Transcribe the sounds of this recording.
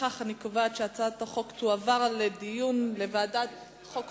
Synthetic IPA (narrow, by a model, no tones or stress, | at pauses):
aχanikovatʃeat͡saat̪aχo̞kt̪uavaʁledijunlevaːdat | χok